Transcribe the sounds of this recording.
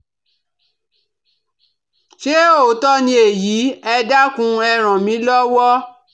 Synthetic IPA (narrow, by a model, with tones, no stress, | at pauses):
ʃe˦o˦˨tɔ˦nĩ˧e˨jiː˨˦ɛ˧da˦kũ˧ɛ˧ɾ̃ã˨mĩ˨˦lɔ˦wɔ˦